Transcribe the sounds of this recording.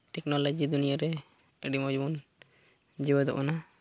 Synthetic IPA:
ʈɛknɔlɔd͡ʒid̪unijaɾɛ | əɖimɔd͡ʒbun | d͡ʒibəd̪ɔ̰ʔɔna

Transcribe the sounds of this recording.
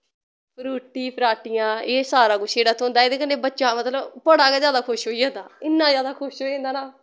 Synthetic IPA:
pʰɾuːʈiːpʰəɾaːʈɪjãːeːsaːɾaːkʊʃʰeːɽaːt̪ʰoːʊnd̪aːed̪eːkənːeːbətːʃaːmət̪ləbpəɽaːkezjaːd̪aːkʰʊʃɦoːiːɦɛ̃nd̪aːɪnːãːzjaːd̪aːkʰʊʃɦoːiẽnd̪aːnaː

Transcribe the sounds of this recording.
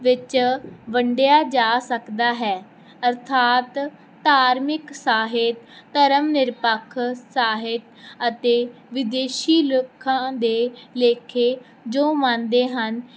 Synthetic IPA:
ʋɪt͡ʃʋəɳɖejaːd͡ʒaːsəkd̪aːɦɛː | əɾt̪ʰaːt̪ː | aːɾmɪksaːɦɪt̪ːəɾəmnɪɾpəkʰːsaːɦɪt̪ət̪eː | ʋɪd̪eːʃiːlokʰːãːd̪eːleːkʰeː | d͡ʒoːmãːnd̪eːɦən

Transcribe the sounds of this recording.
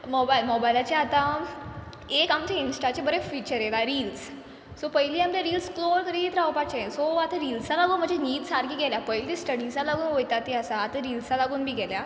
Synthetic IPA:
mɔbajlmɔbajlat͡ɕjaat̪ã | ekamt͡ɕeinsʈat͡ɕebəɾefit͡ɕəɾjelaɾiːls | sɔpəjliːamleɾiːlskloɾkəɾiːt̪ɾawpat͡ɕẽsɔat̪ãɾilsalaɡuːnm̤əɳd͡ʑeniːt̪saɾɡiːɡɛljapəjlisʈəɽisalaɡuːnʋojt̪at̪iasaːt̪ə̃ɾiːlsalaɡuːnbʱiːɡɛlja

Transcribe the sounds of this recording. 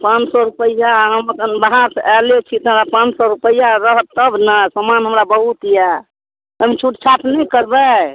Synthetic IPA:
pãnt͡ʃsɔɾupəjaɦəməkənbaɦaɾseʔɛlet͡ʃʰit̪ɔɦəmɾapãt͡ʃsɔɾupəjaɾəɦət̪ːəbnasəmanɦəmɾabəɦut̪ija | əmit͡ʃʰuʈt͡ʃʰatnɛjkəɾbɛ

